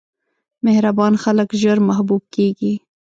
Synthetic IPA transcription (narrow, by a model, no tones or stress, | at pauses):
mehɾabɑːnxaləkʒəɾmaɦbuːb̚keɡi